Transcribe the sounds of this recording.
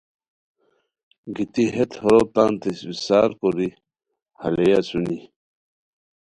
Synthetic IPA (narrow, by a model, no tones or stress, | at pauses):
ɡit̪iɦet̪hoɾot̪ant̪esbisaːɾkoɾi | halejasuni